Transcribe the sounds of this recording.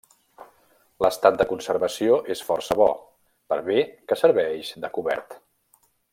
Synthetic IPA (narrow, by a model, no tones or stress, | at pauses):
ləst̪at̪̚d̪əkunsəɾβəsioʔesfɔrsəβɔ̰ | pəɾβekəsəɾβɛʃd̪əkuβɛ̰ɾt̪